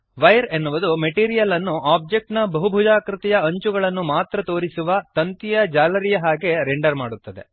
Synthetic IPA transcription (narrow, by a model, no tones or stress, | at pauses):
ʋɐjɾenːuʋud̪umeʈiːɾijɐlɐnːuʔaːb̚d͡ʒe̞k̚ʈnɐbɐɦubʱud͡ʒaːkɾit̪ɛjɐɐɲt͡ʃuɡɐɭɐnːumaːt̪ɾɐt̪o̞ːɾisuʋɐt̪ɐnt̪ijɐd͡ʒaːlɐɾijɐɦaːɡe̞ɾeɳɖɐɾmaːɽut̪ːɐd̪e̞̰